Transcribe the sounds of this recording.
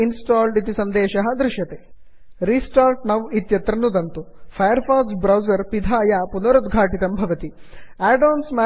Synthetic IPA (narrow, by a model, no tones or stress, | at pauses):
insʈaːlɖit̪isɐnd̪ɛːʃɐɦɐ̆d̪ɾɪʃjɐt̪eː | ɾiːsʈaːɾʈ̚nɐʋit̪jɐt̪ɾɐnud̪ɐnt̪upʰɐjɐɾpʰaːsbɾɐwzɐɾpid̪ʱaːjaːpunɐɾud̪ɡʱaːʈit̪ɐmbʱɐʋɐt̪iaːɖoːnsma